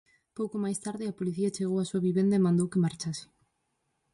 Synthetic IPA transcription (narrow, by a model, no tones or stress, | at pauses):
powkomajst̪aɾðɪɐpoliθiɐt͡ʃeɣowɐsuɐβiβend̪ɐemãnd̪owkɪmaɾt͡ʃasɪ̥